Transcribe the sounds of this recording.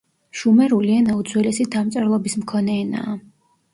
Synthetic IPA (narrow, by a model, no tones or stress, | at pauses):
ʃumɛɾulianaud̪zwɛlɛsid̪amt̪sʼɛɾlˠɔbismkʰɔnɛːna̰ː